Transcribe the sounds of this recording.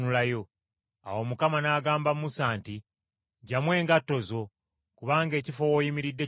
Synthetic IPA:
ulajo̞ | a̰wo̞mukamanaːɡaːmbamumusaːnti | ɟamwe̞ːŋɡatːo̞zo̞ | kuβaːŋɡe̞ːcifo̞wojimiɾidːe̞

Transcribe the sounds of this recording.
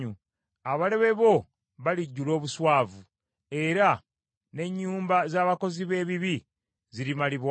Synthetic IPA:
u | aβale̞βe̞βo̞ | βaliɟːulo̞ːβuswaːvu | e̞ɾa | ne̞ɲːuːmbazaːβako̞ziβe̞ːβiβi | ziɾimaliβw

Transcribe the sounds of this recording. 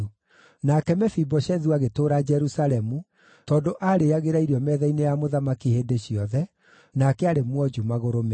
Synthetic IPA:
nakɛmɛfibɔɕɛðuaɣetoːɾad͡ʒɛɾusalɛmu | tɔːndoʔaɾeaɣeɾaiɾiɔmɛðɛinejamoðamakiheːndeɕiɔðɛ | nakɛaɾemwɔd͡ʒumaɣoɾom

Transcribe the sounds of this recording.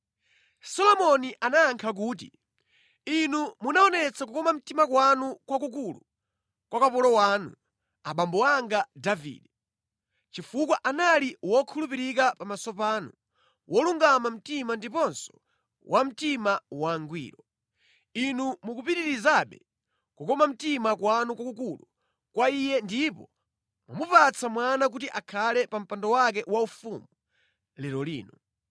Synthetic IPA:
sɔlɔmɔniʔanaːŋkʰak̬uːt̬ḭ | inumunaɔnɛt͡sʰak̬ukɔmam̩timakwanukwakukulṵ | kwakapɔlɔwaːnṵ | a̰ɓambɔaŋɡadavḭːɗɛ | t͡ʃifuk̬waʔanaliwɔkʰulupiɾik̬apamasɔpaːnṵ | wʔɔluŋɡamam̩timandipɔnsɔ̥ | wʔam̩timawaŋɡwḭːɾɔ | inumukupitiɾizaɓɛ | kukɔmam̩timakwanukakukulu | kwaijɛndipɔ | mwa̰mupat͡sʰamwanak̬utiʔakʰalɛpam̩pandɔwak̬ɛwaufumu | lɛɾɔlḭːnu

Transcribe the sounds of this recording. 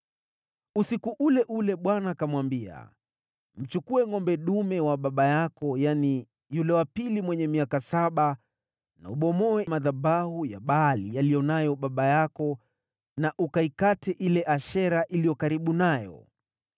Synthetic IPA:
usikuʔulɛʔulɛɓwanaːkamwambia̰ | m̩t͡ʃukuɛŋɔmbɛɗumɛwaɓaɓajakɔjani | julɛwapilimwɛɲɛmiakasaɓa | na̰uɓɔmɔwɛmaðabahujaɓalḭjalijɔnajɔɓaɓajakɔ | naʔukaikatɛʔilɛʔaʃɛɾaʔilijɔkaɾiɓunajɔ̰

